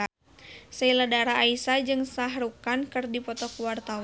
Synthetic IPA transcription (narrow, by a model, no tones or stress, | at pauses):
səiladaɾaːisad͡ʒɨŋsaɦɾukankɨrdipɔt̪ɔkuwart̪aw